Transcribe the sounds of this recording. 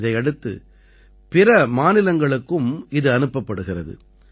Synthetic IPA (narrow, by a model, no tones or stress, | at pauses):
ðɐɪɐɽɯt̪ːɯ̰ | pɪrɐmaːnɪlɐŋɡɐɭɯkːɯmɪðɯɐnɯpːɐpːɐɽɯɣɪrɐðɯ̰